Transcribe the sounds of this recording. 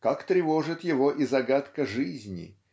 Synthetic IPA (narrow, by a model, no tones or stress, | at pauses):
kakt̪ɾʲɪvoʐɨt̪jɪvoʔizɐɡat̪kəʐɨzʲnʲɪ̰